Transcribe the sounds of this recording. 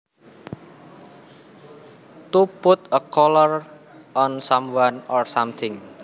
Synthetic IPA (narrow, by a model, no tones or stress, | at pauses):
t̪upʊt̪əkɔlɔr | ʔɔnsamwanɔrsamt̪ʰɪŋ